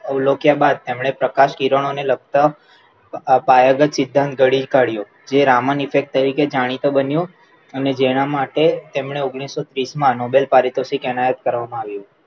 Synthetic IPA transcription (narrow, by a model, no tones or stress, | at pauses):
əulokjabad̪̚t̪emɳ̃epɾəkaʃkiɾəɳ̃onelək̚t̪a | pajəɡət̪sɪd̪ʱːãnt̪̚ɡəɽid͡ʒkaɽjo | d͡ʒeɾamənifek̚ʈ̚t̪əɾiked͡ʒaɽ̃it̪obənjo | əned͡ʒeɽ̃amaʈet̪emɳeoɡɽ̃isːot̪ɾismãnobelpaɾit̪osikɛñajət̪kəɾʋamãaʋjũ